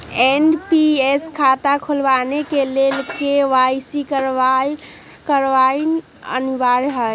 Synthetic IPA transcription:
enpieskʰat̪akʰulbanekelelkeʋajsikəɾ | kəɾʋan | ə̰nbaɾɦə

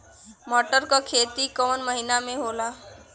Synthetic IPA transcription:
mɔʈəɾkakʰet̪ikɔnməɦinameɦola

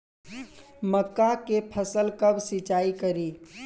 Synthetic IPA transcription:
məkːakepʰəsəlkɐbsɪt͡ʃaːikɐɾiː

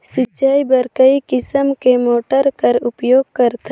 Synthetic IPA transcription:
sɪt͡ʃaːibɐɾkəikɪsəmkemoːʈəɾkəɾʊpjoːɡ̚kəɾt̪a

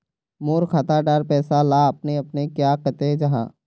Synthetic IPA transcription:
moːɾkʰat̪aɖaɾpɛːsalaːɐpneɐpnekjaːkət̪ed͡ʒɐɦã̰ː

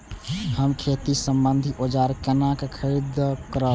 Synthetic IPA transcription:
həmkʰet̪isəmbənd̪ʱiʔod͡ʒaɾkɛnakekʰəɾid̪kəɾə

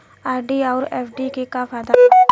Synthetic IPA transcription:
aːɾɖiːaːɾɛːfɖikekaːfad̪a

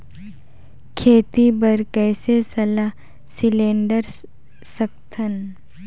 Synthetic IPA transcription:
kʰeːt̪ibəɾkɛːsesɐla | sɪlẽːɳɖəɾ | səkt̪ʰən

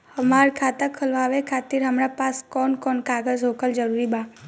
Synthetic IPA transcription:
həmaɾkʰat̪əkʰəlʋaʋekʰat̪iɾɦəmɾapaskɔnkɔnkaɡəzɦokəld͡ʒəɾuɾibã

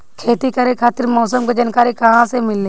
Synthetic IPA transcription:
kʰeːt̪ikɐɾekʰaːt̪ɪɾmɔːsəmkod͡ʒankaːɾikɐɦãsemɪlːeː

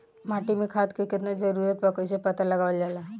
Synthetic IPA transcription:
maʈimikʰat̪kiket̪nad͡zəɾuɾət̪̚bakəjsepət̪aləɡaʋəld͡ʑala

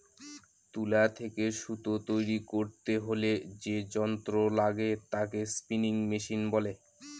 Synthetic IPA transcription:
t̪ulat̪ʰekeʃut̪ot̪ojɾikoɾt̪eɦoled͡ʑed͡ʑɔnt̪ɾolaɡet̪akespiniŋmiʃinbɔle

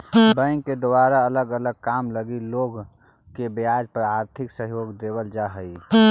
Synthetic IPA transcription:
bə̃ŋked̪ʊaːɾaələɡələɡ̚kaːmləɡiloːɡ | kebejaːd͡ʒpəɾaːɾt̪ʰɪksəɦjoːɡd̪ebəld͡ʒaɦəi

